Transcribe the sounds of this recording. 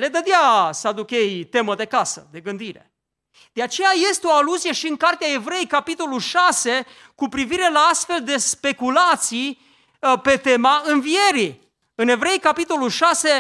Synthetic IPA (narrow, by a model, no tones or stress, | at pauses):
le̞d̪əd̪easəad̪ukje̞jt̪e̞məd̪e̞kasə̰d̪e̞ɡɨnd̪iɾe̞̰ | d̪̥eat͡ʃe̞jaje̞st̪eo̞aluzije̞ʃiɨŋkart̪eae̞vɾe̞jejkapit̪o̞lulʃase̞ | kupɾiviɾe̞laast̪fe̞ld̪e̞spe̞kulat̪sij | pe̞t̪e̞maɨnvie̞ɾi | ɨne̞vɾe̞jkapit̪o̞lulʃase̞